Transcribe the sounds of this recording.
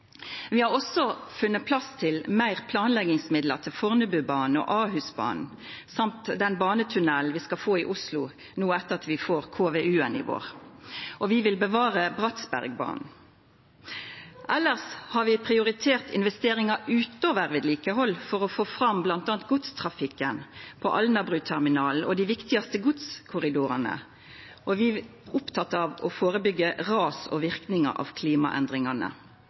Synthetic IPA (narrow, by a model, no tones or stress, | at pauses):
ʋɪhɑʁɔsɔfʉnːət̪̚pʰlɑst̪ʰɪlmæɪʁpʰlɑːnlɛɡɪŋsmɪd̪ləʁt̪ʰɪlfɔʁnəbʉːbɑːnn̩ɔ̰ːʔɑːɦʉːsbɑ̰ːnn̩ | sɑmt̪d̪ɛnbɑːnət̪ʰʉnɛlnʋiːskɑfoːɪʔʊslʊ | nuːəɛt̪ːəʁɑt̪ʋɪfoːʁkʰoːʋeːʔʉːənɪ̰ʋo̰ːʁʔɔʋɪʋɪlbəʋɑːʁəbʁɑt̪sbæ̰ʁɡ̚bɑ̰ːnn̩ | ʔɛlːəʁshɑʁʋɪpʰʁɪʊʁɪt̪ʰeːʁt̪ɪ̰nʋɛst̪eːɾɪŋɑʉːt̪noːʋəʁʋɪd̪liːkəɦɔlːfɔʁɔfoːfʁɑmblɑnt̪ɑːnt̪̚ɡʊt̪st̪ʰʁɑfɪkːənpʰɔ̰ʔɑlnɑbʁʉːt̪ʰæʁmɪnɑːl̩ɔd̪iʋɪkt̪ɪɑst̪əɡʊt̪skʰʊʁɪd̪uːʁɑnə̰ | ʔɔʋɪːʊpt̪ʰɑt̪ːɑʋɔfoːʁəbʏɡːəʁɑːsɔ̰ʋɪʁknɪŋɑ̰ʔɑ̰ʋkʰliːmɑ̰ʔɛ̰nd̪ʁɪŋɑnə̰